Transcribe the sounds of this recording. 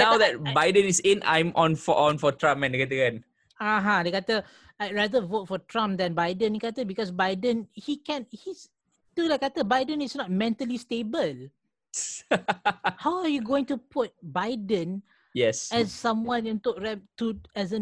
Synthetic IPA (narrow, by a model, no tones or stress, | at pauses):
nawdɛt̚baɪdə̃nisẽnã̰jmʔɔ̃nfɔʔɔ̃nfɔtɹãmpɛ̃ndəkatəkɛ̃n | aɦãdəkatə | aɹadəvotfɔtʰɹãmp̚d̪ɛ̃nbaɪdə̃nhikatəbikɔsbajdə̃nhikɛ̃nhis | tudəkatəbajdə̃nɪsnɔt̚mɛ̃ntəlistebəl | hawajuɡoɪ̃ŋtupʰut̚bajdə̃n | jɛsɛsːãmwãnĩntoʔɹɛp̚tuɛsə